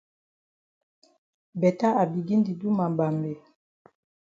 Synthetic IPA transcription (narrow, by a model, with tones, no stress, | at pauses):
bɛ˨ta˦a˨bi˨ɡi˦ndi˨du˦ma˨mba˨mbe˨